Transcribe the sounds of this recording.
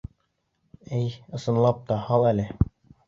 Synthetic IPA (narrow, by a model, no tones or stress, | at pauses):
æjɤ̆sɤ̆nlˠɑp̚t̪ɑhɑlˠælɘ